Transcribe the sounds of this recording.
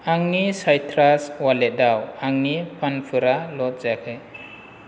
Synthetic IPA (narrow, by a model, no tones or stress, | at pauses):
aŋnisajtʰɾaswalɛt̚dawaŋnipʰanpʰɯɾalɔt̚zakʰɯj